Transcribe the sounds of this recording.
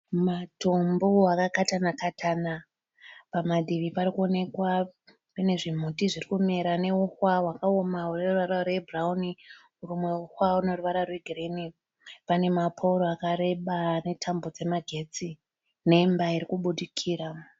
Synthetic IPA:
matomboakakatanakatʰana | pamadʱiʋipaɾikuo̞ne̞kwa | pene̞ʐim̤utiʐirikumeɾane̞uxwaɦwakaomaureruʋaɾarwebrauni | uɾumwe̞uxwauno̞ruʋaɾarweɡʱireni | pane̞mapʰouɾoakaɾe̞ɓane̞tʰambod͡ze̞maɡʱe̞t͡si | ne̞mbaiɾikuɓuɗikʰiːɾa

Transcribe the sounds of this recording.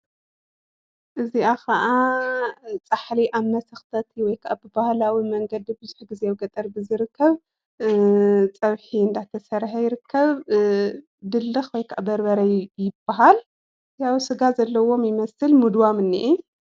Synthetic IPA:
ʔɨziakʰɐʔa | t͡sʼaħliʔaβmɐsɐxt̪ʰɐt̪ʰiwɔjkʰaʔabɨbahlawimɐŋɡɐd̪ibɨzu̥ħɡɨzeβɡɐt̪ʼɐɾbɨzɨɾɨkʰːɐβ | t͡sʼɐβħiɨnd̪at̪ʰɐsɐɾħajɪɾɨkʰːɐβ | d̪ɨlːɨxwɔjkʰaʔabɐɾbɐɾɐjjɪbːaɦal | jawsɨɡazɐlːɐwo̞mjɪmɐsɨlmɨd̪wamɨnːḭʔi

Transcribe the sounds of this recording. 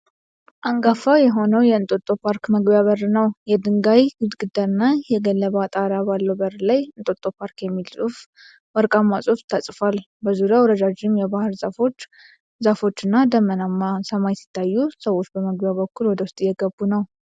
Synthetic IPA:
ʔaŋɡafajɛɦo̞nəwjɛɨnt̪ʼot̪ʼːo̞pʰaɾkməɡbjaβərnəwjɛd̪ɨŋɡajɡɨd̪ɡɨd̪əɾɨnːajɛɡəlːəβat̪ʼaɾabalːəwbəɾlajɨnt̪ʼot̪ʼːopʰaɾkjɛmːilsʼuf | wɔɾkʼamːasʼuft̪ʰasʼfal | bəzuɾjawɾəd̪ad͡ʒɪmjɛbahɨɾzafot͡ʃː | zafo̞t͡ʃːɨnːad̪əmənamːasəmajsɪ̥t̪ʰːajːusəwo̞t͡ʃːbəməɡbjaβəkːulwɔd̪əwʊst̪ʼjɛɡəbːunəw

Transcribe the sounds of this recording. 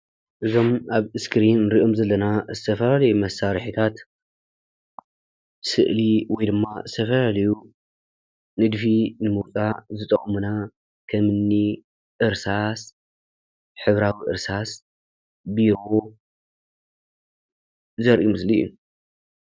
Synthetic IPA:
ʔɨzo̞maβɨskɾinːɨɾiʔomzɐlːɐnazɨt̪ʰɐfɐlalɐjumɐsːaɾħit̪ʰat̪ | sɨ̰ʔliwɔjd̪ɨmːazɨt̪ʰɐfɐlalɐju | nɨd̪finɨmɨt͡sʼazɨt̪ʼɐχʼmuna | kʰɐmɨnːi | ʔɨɾsas | ħɨβɾawiʔɨ̰ɾsas | biɾo̞ | zɐɾʔimɨsliṵ

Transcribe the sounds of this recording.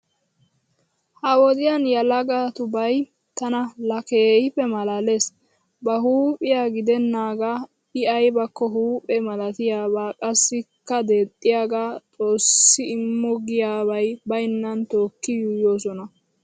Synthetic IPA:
hɐwɔd̪ɪjanjɐlɐɡat̪ʊbɐj | t̪ɐnɐlɐkeːhɪpːɛmɐlɐle̞s | bɐɦuːpʼɪjaːɡɪd̪ɛnːaːɡa | ɪɐjbɐkːɔɦuːpʼɛmɐlɐt̪ɪjaːbaːkʼɐsːɪkːɐd̪e̞ːt̪ʼːɪjaːɡaːt͡sʼo̞ːsːɪɪmːɔɡɪjaːβɐjbɐɪnːɐnt̪oːkːɪjujo̞ːsɔnɐ

